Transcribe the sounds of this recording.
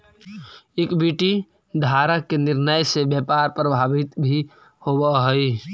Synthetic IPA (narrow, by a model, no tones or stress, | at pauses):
ekbiʈi | d̪ʱaɾakenɪɾnəjsebjəpaɾpɾəbʱabit̪bʱi | hobəɦəi